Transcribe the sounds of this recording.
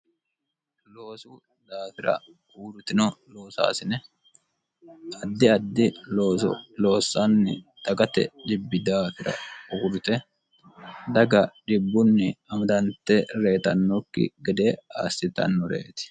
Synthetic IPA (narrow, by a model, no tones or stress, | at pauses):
lo̞ːsu | d̪aːfɪɾɐ̰ | uːɾʊt̪ɪnɔlo̞ːsa̰ːsɪnɛ | ɐd̪ːɪɐd̪ːɪloːsɔ̰lo̞ːsːanːɪ̰t̪ɐɡɐt̪ɛ̰ᶑɪbːɪd̪aːfɪɾɐ̰uːɾʊt̪ɛ | d̪ɐɡɐᶑɪbːʊnːɪɐmɐd̪ɐnt̪ɛɾe̞ːt̪ɐnːɔkːɪ̰ɡɛd̪eːa̰ːsːɪt̪ɐ̰nːɔɾḛːt̪ɪ̥